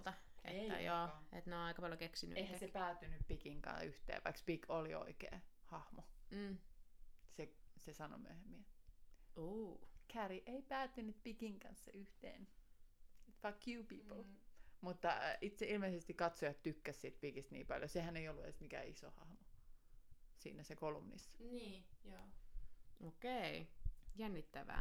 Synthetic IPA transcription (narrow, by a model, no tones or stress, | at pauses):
t̪ɑ | ḛjoːḛt̪neonɑikɑpɑljokeksiny̰eihæsepæːt̪ːynyppikiŋkɑ̰̃nyht̪ḛːʋɑikspikolio̰ikḛːhɑhmo | sesesɑno̰my̰øhemːiæ | uːkʰæriʔeipæːt̪ːynyt̪pikiŋkɑ̰nsːɑyht̪ḛːn | et̪fɑkʰjuːpiːpəlmut̪ːɑ̰it̪seʔilmeisest̪ikkɑt̪sojɑt̪t̪ykːæssit̪̚pikist̪nḭːpɑ̰ljosehæneiolːuḛsmikæ̰iso̰hɑ̰hmo | sḭːnæsekolumnḭsːɑ̥niːjoː | okeijænːit̪ːæʋæ̰ː